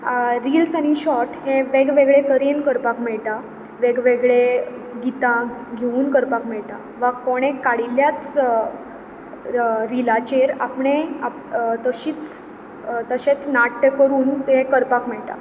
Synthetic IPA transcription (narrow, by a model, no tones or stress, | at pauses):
ɾiːlsañiɕɔɾʈheʋeɡʋeɡɭet̪əɾenkəɾpakmɛɭʈ̪a | ʋeɡʋeɡɭe | ɡit̪ãɡʱeuːnkəɾpakmɛɭʈ̪a | ʋakoɽ̃ekaɽiljat͡s | ɾilat͡ɕeɾa̰pɳea | t̪əɕiːt͡s | t̪əɕet͡snaʈːəkəɾuːnt̪ekəɾpakmɛɭʈ̪a̰